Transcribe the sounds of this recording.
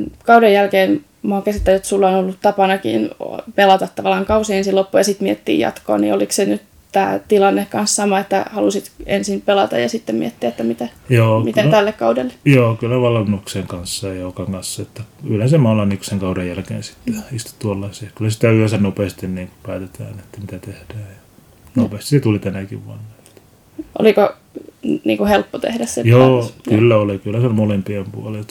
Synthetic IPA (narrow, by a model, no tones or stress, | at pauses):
kɑudejjælkeːn | mɑkesit̪ːæjot̪sulːɑonolːut̪t̪ɑpɑnɑkḭːn̰pelɑt̪ɑt̪t̪ːɑʋɑlɑŋkɑusiensilopːujɑsit̪miet̪ːḭːjɑ̰t̪ko̰ɑnḭoliksenyt̪ | t̪æ̰ːt̪ilɑnːekkɑnssɑmɑet̪ːæhɑlusit̪ensimpelɑt̪ɑ̰jɑsit̪ːemmḭet̪ːiæet̪ːæmit̪æjoːmitk̪et̪ælːekkɑudelːe̥joːkylːæʋɑlːɑnːukseːŋkɑnsːɑjɑjokɑŋkɑnsːɑet̪ːæylensemɑːlːɑniku̥seŋkɑudejjælkḛːnsi̥t̪ːe̥ist̪u̥t̪uolːɑsiekylːæsi̥t̪æyæsænnopeːst̪inniːŋku̥pæːt̪et̪æ̰ːnet̪ːæmit̪æt̪ehd̥æːjjɑ | nopeːst̪iset̪ulit̪ænækḭʋʋɑ̰nːɑ̥ | t̪ː | ʔo̰liko | niːŋkuhelpːot̪ḛhdæssḛmjoːkkylːæolikylːæsemolempiempṵɑliot̪